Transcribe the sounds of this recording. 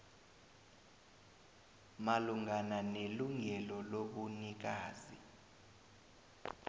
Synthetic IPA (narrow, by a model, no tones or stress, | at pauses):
maluŋananeluŋɛlɔloɓunik̬aːzi